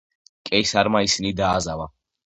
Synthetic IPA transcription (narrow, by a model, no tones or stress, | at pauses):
kʼɛjsaɾmaisinid̪aːzava